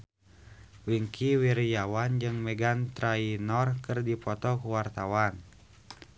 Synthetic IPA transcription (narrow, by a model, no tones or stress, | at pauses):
wiŋkʰiwiɾjawand͡ʒɨŋmɛɡant̪ɾainɔrkɨrdipɔt̪ɔkuwart̪awan